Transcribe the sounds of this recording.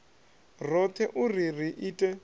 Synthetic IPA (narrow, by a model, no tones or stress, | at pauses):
rɔt̪ʰɛʔuririʔiːtʼɛ